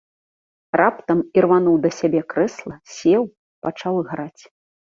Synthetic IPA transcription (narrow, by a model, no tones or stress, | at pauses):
rapt̪ɐmirvanuwd̪ɐsʲabʲɛkɾɛslˠɐsʲɛw | pat͡ʂawɨɣɾat͡sʲ